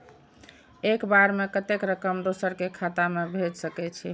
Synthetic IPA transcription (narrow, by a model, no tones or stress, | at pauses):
ekbaɾmekət̪ekɾəkəmd̪osəɾkekʰat̪amebʱed͡ʒsəkɛt͡ʃʰi